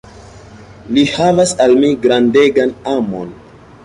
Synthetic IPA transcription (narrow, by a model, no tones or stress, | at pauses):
lihavasalmiɡɾande̞ɡanamon